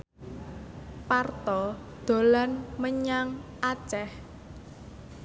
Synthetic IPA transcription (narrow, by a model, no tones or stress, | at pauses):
part̪ɔd̪̥o̤lanməɲaŋʔat͡ʃɛh